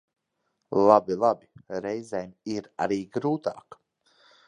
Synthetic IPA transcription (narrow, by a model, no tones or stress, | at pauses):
lˠabilˠabiɾɛjzɛjmʲiɾa̰ɾiːɡɾuːt̪aːk